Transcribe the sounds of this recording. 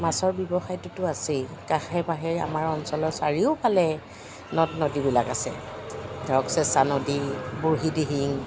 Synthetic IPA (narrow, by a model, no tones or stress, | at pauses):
masɔɹbjɔbɔxajtʊtʊasikaxɛbaɦɛɹa̰maɹɔnsɔlɔsaɹiʊpalɛ | nɔtnodibilakasɛ̰dʱɔksɛsanodibuɹɦidiɦiŋ